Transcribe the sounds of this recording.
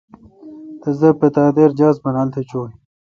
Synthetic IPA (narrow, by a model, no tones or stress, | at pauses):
t̪ezɐpet̪aːd̪eɾd͡ʑaːsbɐnaːlt̪ʰet͡ɕoːi